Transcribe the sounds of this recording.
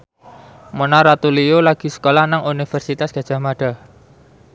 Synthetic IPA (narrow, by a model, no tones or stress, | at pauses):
monaɾat̪uliolaɡ̥i̤sə̥kolahnaŋunifɛrsit̪asɡ̥a̤dʒ̥a̤hmaɖ̥a̤